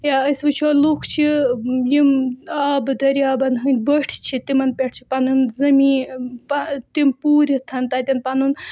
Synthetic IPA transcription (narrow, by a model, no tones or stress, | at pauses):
jaəsʋɨt͡ʃʰɔlukʰt͡ʃʰijimaːbɨd̪ɐɾiaːbɐnɦɨnʲbəʈʰt͡ʃʰit̪imɐnpʲeʈʰt͡ʃʰi̥panunzɐmipat̪impuːɾʲit̪ʰɐnt̪at̪ʲɐnpanun